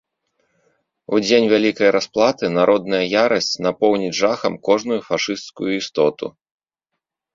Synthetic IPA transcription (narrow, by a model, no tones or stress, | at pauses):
ud͡zʲenʲvʲalʲikɐjɾasplˠat̪ɨnaɾʔɔd̪̚nɐjɐjaɾɐsʲt͡sʲnapɔwnʲid͡zʲʐaxɐmkɔʐnujufaʂɨst̪skujuist̪ɔt̪ṵ